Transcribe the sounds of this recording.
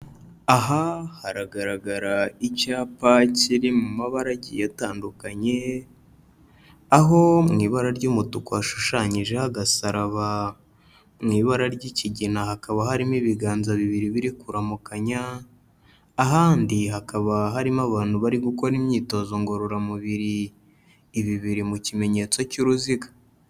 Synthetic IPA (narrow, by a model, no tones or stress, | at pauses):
aɦahaɾaɡaɾaɡaɾaicaːpaciɾimumaβaɾaɟḭjataːndukaɲe̞ | aɦo̞mŋiːβaɾaɾɟumutukoaʃu̥ʃaɲiʒe̞haɡasaɾaβa | mŋiːβaɾaɾɟiciɟinahakaβahaɾimiβiɡaːnzaβiβiɾiβiɾikuɾamukaɲa | ɦaːndiɦakaβaɦaɾimaβaːnhuβaɾiɡuko̞ɾimɲiːto̞zo̞ŋɡo̞ɾoɾamuβiɾiː | βiβiɾimucime̞ɲe̞t͡so̞cuɾuziɡḁ